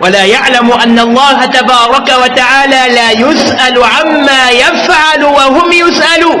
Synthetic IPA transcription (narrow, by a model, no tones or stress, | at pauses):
walaːjaʕlamʊʔanːalˤːɑːɦat̪abɑːɾˤɑkawat̪aʕaːlaːlaːjʊsʔalʕamːaːjafʕalwahʊmjʊsʔaluː